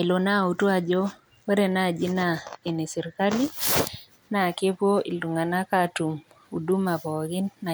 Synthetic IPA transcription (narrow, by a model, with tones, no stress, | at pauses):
e˨lo˨na˦˨u˨tu˦a˨d͡ʒɔ˦ | we˦ɾe˨na˦˨d͡ʒi˦na˨e˨ni˨si˨ɾka˦li˦ | na˨ke˦pwo˦ḭ˨ldu˨ŋa˨na˦ka˦tu˨m | u˨du˦ma˨pɔ˨ɡɪ˦nːa˨